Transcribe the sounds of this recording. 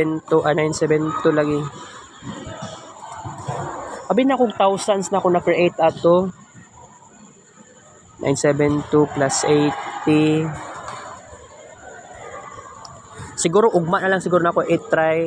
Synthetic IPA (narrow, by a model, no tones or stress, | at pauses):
nt̪uʔanajnsɛbɛnt̪ulaɡɪ | ʔɐbɪnɐkoŋt̪awsansnɐkonɐkɾɪʔejt̪ʔat̪o | na̰jnsɛbɛnt̪uplasʔejt̪ːi | sɪɡuːɾoʔʊɡ̚maʔnɐlaŋsɪɡuːɾonɐkoʔet̪ːɾaj